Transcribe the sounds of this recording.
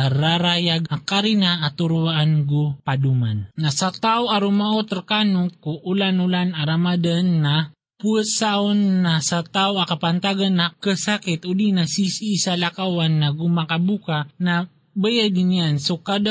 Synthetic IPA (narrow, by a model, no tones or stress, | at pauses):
ɾaɾajaɡ̚akaɾinaːt̪uɾuwaʔanɡupadumannasat̪awaɾumaʔot̪ɾkanʊkuʔːlanulanaɾamadanːa | puəsaonːasat̪awakapant̪aɡanːakəsakɪt̪ʊdinasisiːsalakawanːaɡumakabukana | bajad̪ɪnijansokad̪a